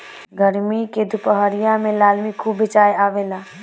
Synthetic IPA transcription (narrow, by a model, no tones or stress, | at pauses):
ɡəɾmiked̪ʊpəɦaːɾɪjãmẽlaːlmikʰuːbʱːɪt͡ʃaːeaːʋeːlaː